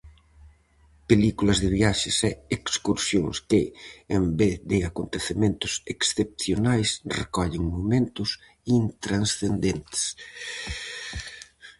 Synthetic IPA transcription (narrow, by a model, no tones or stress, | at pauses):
pelikulɐzðɪβjaʃɪsɛekskuɾsjoŋskɪembeθðɪakont̪eθemẽnt̪ʊ̥seksθep̚θjonajsrḛkɔʎeŋmomẽnt̪ʊs | int̪ɾansθend̪ent̪e̥s